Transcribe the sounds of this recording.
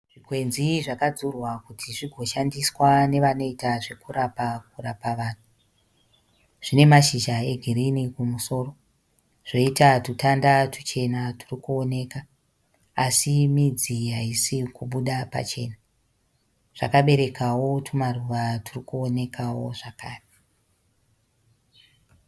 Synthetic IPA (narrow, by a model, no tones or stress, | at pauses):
ʐ̥ikwe̞nziʐakad͡zurwakutʰiʐiɡʱo̞ʃandiswane̞ʋano̞itaʐe̞kuɾapak̚urapaʋaːn̤u | ʐ̥ine̞maʃiʒae̞ɡʱiɾinikumuso̞ːro̞ | ʐ̥o̞itatutandatu̥t͡ʃe̞naturikuone̞ka | asimid͡ziɦaisikuɓuɗapa̰t͡ʃe̞̰ːna | ʐ̥a̰kaɓe̞ɾe̞kʰawo̞tʰumaruʋaturikuone̞kʰawo̞̰ʐakaːre